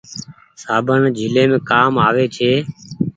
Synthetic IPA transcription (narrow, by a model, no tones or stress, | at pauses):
saːbʱəɳd͡ʒʱɪlẽːmẽːkaːmaːʋeːt͡ʃʰeː